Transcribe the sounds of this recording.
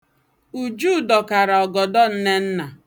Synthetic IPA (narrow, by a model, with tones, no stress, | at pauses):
u˨d͡ʒu˦˨dɔ˨ka˨ɾa˨ɔ˨ɡɔ˨dɔ˦n̩˦ne˦n̩˦na˨